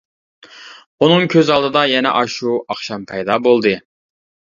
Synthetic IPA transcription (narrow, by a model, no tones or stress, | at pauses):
unɨŋkʲʰøzɑlˠd̪ɨd̪ɑjɛnɛ̰ʔɑʃuɑχʃɑmpʰɛjd̪ɑbolˠd̪ɨ